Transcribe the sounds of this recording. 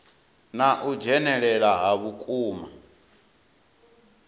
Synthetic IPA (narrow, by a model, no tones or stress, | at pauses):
naʔud͡ʒɛnɛɺɛɺaɦaβukʼuːma